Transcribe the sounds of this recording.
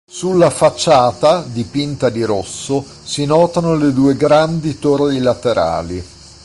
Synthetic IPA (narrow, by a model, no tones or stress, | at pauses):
sulːafat͡ʃːaːt̪ad̪ipint̪ad̪iɾosːo | sinɔːt̪anoled̪uːeɡɾand̪it̪orlilat̪eɾʔa̰ːli